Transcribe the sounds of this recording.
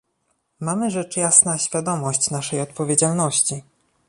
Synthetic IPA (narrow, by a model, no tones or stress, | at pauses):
mamɘʐɛt͡ʂjasnaɕfʲjad̪ɔmɔɕt͡ɕnaʂɛjɔt̪̚pɔvʲed͡ʑalnɔɕt͡ɕi